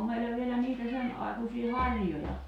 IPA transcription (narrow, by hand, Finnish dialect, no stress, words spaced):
meilːæ ʋielæ niːtæ sen ʔɑˑi̞kusiː hɑrjˑojɑ